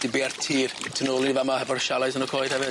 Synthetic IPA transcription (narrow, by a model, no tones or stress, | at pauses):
d̥ɪbiartʰiːrtʰənoːlˠnivamahɛvɔrʃalˠasənɔkʰoːjðhɛvɪ